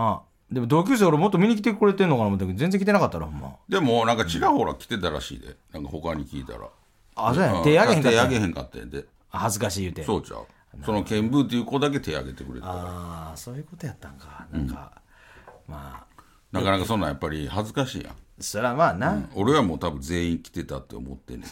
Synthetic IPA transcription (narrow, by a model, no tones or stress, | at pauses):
a | d̪e̞mo̞d̪oːk̬ʲɨ̟ːs̬eo̞ɾemo̞t̪ːomʲiɲ̟ik̬ʲi̥t̪e̞kɯɾe̞t̪eɾɯnːokanomot̪ːokizend͡zeŋkʲit̪enakat̪ːaɾahõmːa̰d̪e̞mo̞nãŋkat͡ɕiɾaho̞ɾa̰kʲi̥t̪e̞t̪aɾa̰ɕḭːd̪enãŋkaho̞kaɲ̟ikʲiːt̪a̰ɾa̰ | asõt̪eːaɡeẽŋt̪aeaɡe̞heŋka̰t̪ːa̰ḛd̪e | ahazɨkaɕiːjɯ̟ːt̪ːeso̞ːt͡ɕa̰ɯ | sono̞kẽ̞mbɯt̪ːejɯ̟ːko̞d̪ak̬e̞t̪e̞a̰ɡe̞t̪e̞kɯ̟ɾetaaso̞ːjɯ̟ːkot̪o̞jat̪ːãŋkanãŋːka̰ | maː | nakanakasonːãjapːaɾʲihazɨkaɕḭːjã̰ŋsoɾamaːnão̞ɾe̞βamo̞t̪abɯ̟̃nze̞ːĩŋkʲi̥t̪e̞t̪at̪ːe̞̰o̰mo̞̰t̪ːe̞̰nḛ̃